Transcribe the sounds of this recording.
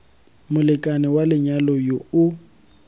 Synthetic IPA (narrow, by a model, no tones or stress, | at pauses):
mʊlɪkʼanɪwalɪɲalojoʊ